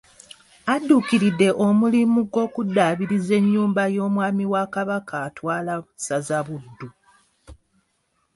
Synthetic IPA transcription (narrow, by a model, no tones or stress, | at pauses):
adːukiɾidːe̞ʔomulimuɡo̞ːkudːaβiɾize̞ɲːuːmbajo̞ːmwaːmiwakaβakaːtwaːlasazaβudːu